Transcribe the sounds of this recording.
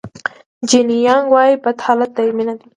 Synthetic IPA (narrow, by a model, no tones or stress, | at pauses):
d͡ʒinijɑŋɡwɑjibad̪hɑlat̪̚ːaiminad̪i